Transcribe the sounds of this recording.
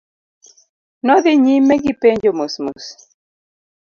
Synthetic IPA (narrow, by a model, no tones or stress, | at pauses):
nɔðɪɲimeɡipeɲd͡ʒomosmos